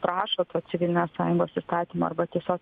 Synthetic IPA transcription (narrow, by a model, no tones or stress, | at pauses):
pɾɑːʃoːt̪oːsʲɪʋʲɪlʲnʲeːssɑːjʊŋɡoːsist̪ɑːt̪ʲiːmoːɐ̰bɐt̪ʲiɛsʲoːk